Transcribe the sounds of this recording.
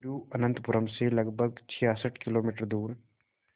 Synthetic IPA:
uːɐnə̃nt̪pʊɾəmselɐɡbʱəɡt͡ʃʰijaːsəʈʰkɪloːmiːʈəɾd̪uːɾ

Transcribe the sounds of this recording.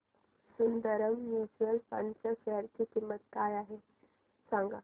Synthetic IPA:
sund̪əɾəmjjud͡ʑuəlpa̰ɳt͡ɕaseəɾtikimːət̪kajaɦe | sãŋɡa

